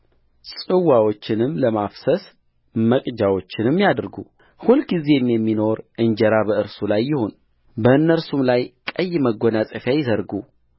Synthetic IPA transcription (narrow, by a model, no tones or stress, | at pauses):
sʼɨwawo̞t͡ʃːɪnɨmːləmafsəs | məkʼd͡ʒawo̞t͡ʃːɪnɨmːijad̪ɾɡu | hulɡize̞mjɛmːino̞ɾʔɨɲd͡ʒəɾabəɨɾsulajːɪho̞n | bəɨnːəɾsumlajkʼəjːməɡːo̞nasʼəfjajɪzəɾɡu